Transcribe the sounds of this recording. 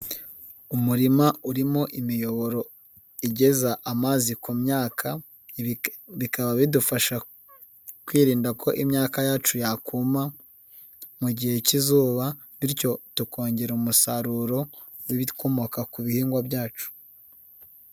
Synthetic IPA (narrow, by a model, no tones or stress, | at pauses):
umuɾimauɾimo̞ʔimijo̞βo̞ɾo̞ | iɟe̞zaʔamaːzikomɲaːkʰa | βikaβaβidufaʃa | kwiːɾiːndakʰo̞ʔimɲaːkajaːt͡ʃujakuːma | muɟihe̞cizuːβa | βiɾco̞tukʰo̞ːɲɟeɾumusaɾuɾo̞ | wiβikʰo̞mo̞kakuβihiːŋɡwabjaːt͡ʃu̥